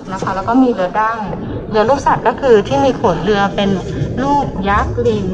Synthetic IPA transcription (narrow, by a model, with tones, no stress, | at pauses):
na˦˥kʰa˦˥˩lɛː˦˥wkɔː˥˩miː˧ɾɯ˧ɐda˥˩ŋ | lɯ˧ɐluː˥˩k̚sa˨˩t̪̚kɔː˥˩kʰɯː˧t̪ʰiː˥˩miː˧kʰo˩˦nɾɯ˧ɐpe˧n | luː˥˩k̚jaː˦˥k̚li˧n